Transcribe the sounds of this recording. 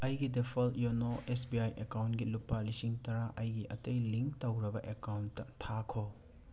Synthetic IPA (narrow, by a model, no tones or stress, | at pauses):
ɐjɡidepʰɐljonoʔesbiajʔekawntɡilupːalisiŋtɐɾaʔɐjɡiʔɐtɐjliŋk̚tɐwɾɐbɐʔekawntːɐtʰakʰo